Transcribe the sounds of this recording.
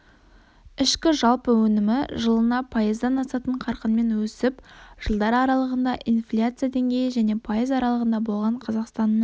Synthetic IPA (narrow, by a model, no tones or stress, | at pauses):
ɪʃkʲɪʒɑlˠpəwɵnɪmɪʒəlˠənɑpʰɑjəzd̪ɑnɑsɑt̪əɴqʰɑɾqənme̞nwɵsɪpʒ̥əlˠd̪ɑɾɑɾɑlˠəʁənd̪ɑʔinflʲat̪sɨjad̪e̞ŋɡʲe̞jɪʒæne̞pʰajəzɑɾɑlˠəʁənd̪ɑbo̞lˠʁɑɴqʰɑzɑqst̪ɑnːəɴ